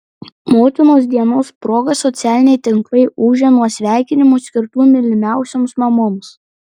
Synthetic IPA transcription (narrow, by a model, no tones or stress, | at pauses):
moːt̪ʲɪnoːs̬d̪ʲiɛnoːspɾoːɡɐsɔt̪sʲæːlʲɪnʲɛɪt̪ʲɪŋklˠɐɪʔuːʒʲɛnuɔsʲʋʲæˑɪkʲɪnʲɪmoːsʲkʲɪɾt̪uːmʲɪlʲɪmʲæˑʊsʲoːmsmɐmoːms